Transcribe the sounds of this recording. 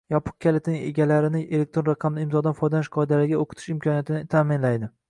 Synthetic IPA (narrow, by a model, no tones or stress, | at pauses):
jɒpʰʊ̥q̚kʲʰalet̪nɪŋḛɡʲalaɾɪnɪʔele̞k̚ʲt̪ɾo̞nɾɑqʰɑmlɪɪmzɒd̪anfɒjd̪anɪʃqʰɒjd̪alɪɡʲaoqʰɨ̥t̪ʰɪ̥ʃɪmkʰʲɒnijat̪ʰɪnɪɪt̪ʰaːmɪnlajd̪ɪ